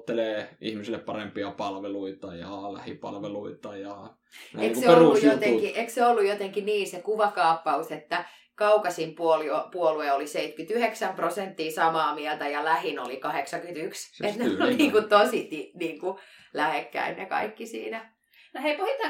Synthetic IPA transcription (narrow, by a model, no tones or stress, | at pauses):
t̪ːeleːḭhmisilːeppɑrempiɑpɑlʋeluit̪ɑjɑlæhipɑlʋeluit̪ɑjɑ̰ | eikseeoruːujot̪eŋkiʔekseolːujot̪eŋkiniːnsekuʋɑkɑːpːɑuset̪ːæ | kɑukɑsimpuoliopuolueoliseit̪kyt̪yheksæmprosent̪ːiːsɑmɑːmiɛlt̪æjɑlæhinolikɑheksɑŋkyt̪ykset̪neoliniːŋkut̪osit̪iniːŋkulæhekːæ̰innekɑ̰ikːisḭːnæ | noheikohit̪ːɑ